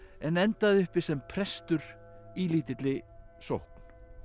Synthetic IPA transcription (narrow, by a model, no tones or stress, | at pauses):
ɛnɛnt̪aðʏhpɪ̥sɛmpʰɾɛst̪ʏɾ̥ | iliːt̪ɪt̪lɪso̰whkn̥